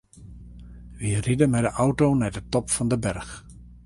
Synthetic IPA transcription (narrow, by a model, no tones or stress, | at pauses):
ʋiridəmɛjdəʔɔwtoːnɛdətɔpfɔndəbɛrx